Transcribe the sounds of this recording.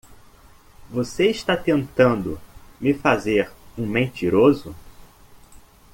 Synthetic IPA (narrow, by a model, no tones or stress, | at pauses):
voseɪʃt̪at̪ẽnt̪ɐ̃nd̪ʊmɪfazeɾũmẽnt͡ʃiɾozʊ